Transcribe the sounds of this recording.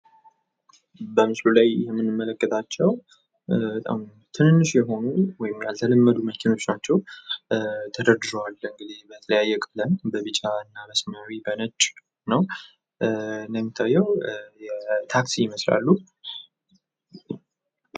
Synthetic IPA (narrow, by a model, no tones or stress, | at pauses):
bəmɨslulajɪ̰jɛmːɨnːɨmːələkːət̪ʰʼat͡ʃːɛw | ət̪ʼa̰m | t̪ʰɨnɨnːɨʃjɛɦo̞nuwɔjɪmjalt̪ʰələmːəd̪uməkʰɪno̞t͡ʃːnat͡ʃːɛw | t̪ʰəd̪əd̪ɨɾowalːəɨŋɡɨzebət̪ʰələjajːɛkʼlənbəβɨt͡ʃʼaɨnːabəsməɾibənət͡ʃʼ | nəw | nd̪əmːit̪ʰːajːɛwjɛt̪ʰaksijɪməsla̰lːu